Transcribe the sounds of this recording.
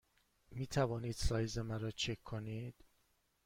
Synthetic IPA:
miːt̪ʰævɒːniːd̪sɒːjzemæɾɒːt͡ʃʰekʰːoniːd̪̥

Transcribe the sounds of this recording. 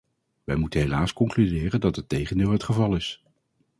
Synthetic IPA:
ʋɛjmutənɦejlaːskɔŋklydɪːrəndɑtɦətejχəndɪːlˠɦətχəvɑlˠɪs

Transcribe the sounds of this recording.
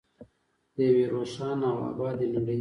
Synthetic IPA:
d̪əjaweɾosɑnawa̰bɑːd̪eluɽə

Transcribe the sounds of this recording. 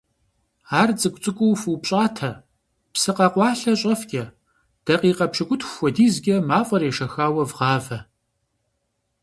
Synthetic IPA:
aːrt͡sʼɨkʷʼt͡sʼɨkʷʼʊwfuːpɕʼaːtʰɐ | psɨqɑqʷɑːɬɐɕʼɐfɡʲʼɐ | d̥ɐqiːqɐpʂɨɡʷʼʊtʰxʷxʷɔdiːzɡʲɐmaːfʼɐreːʃɐxaːwɐvʁɑːvɐ

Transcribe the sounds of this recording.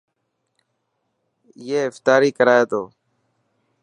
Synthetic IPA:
jeːɪft̪aːɾiːkəɾaːeːt̪oː

